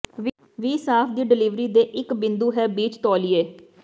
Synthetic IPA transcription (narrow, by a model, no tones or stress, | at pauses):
ʋ | ʋiːsaːpʰd̪iːɖɪliːʋɾiːd̪eːʔɪkbɪ̃nd̪uːɦɛːbiːt͡ʃt̪ɔːlieː